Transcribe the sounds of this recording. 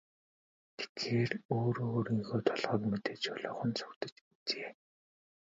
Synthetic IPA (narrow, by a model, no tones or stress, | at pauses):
ɡ̥e̥t̪xeːroːɾoːɾiŋxoːt̪ʰɔɮʁɔːkmet̪eːt͡ɕʊɮʊːχə̆nt͡sʰʊ̥rt̪ə̥̆t͡ɕit͡seː